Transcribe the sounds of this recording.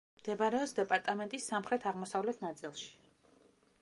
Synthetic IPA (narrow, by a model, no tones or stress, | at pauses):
md̪̥ɛbaɾɛɔsd̪ɛpʼaɾt̪ʼamɛnt̪ʼisːamχɾɛt̪ʰaʁmɔsavlɛt̪ʰnat̪sʼilˠʃi̥